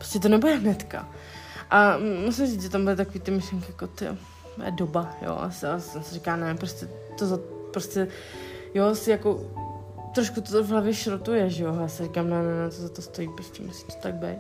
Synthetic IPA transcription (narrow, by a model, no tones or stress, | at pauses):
pɾoscɛt̪onɛbudɛɦnɛt̪ka̰ʔamusɪmrit͡s̪ʒɛt̪ambɪlɪt̪akoviːt̪ɪmɪʃlɛŋkɪjakot̪ɪ̰ | ɛ̰dobajo̰ːʔa̰saɛmsɛɾikaːnɛpɾoscʲɛ | t̪ozat̪pɾoscɛ | josɪjako | t̪ɾoʃkut̪ovɦlavjɛʃɾot̪ujɛʒɛojaːsɪɾikaːmnɛnɛnɛt̪ozat̪ost̪o̞jiːpɾoscɛmusi̥t̪o̥t̪aɡ̚bɛj